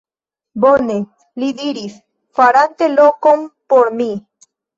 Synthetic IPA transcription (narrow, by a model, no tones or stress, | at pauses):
bone | lid̪iɾis | faɾant̪elokompoɾmi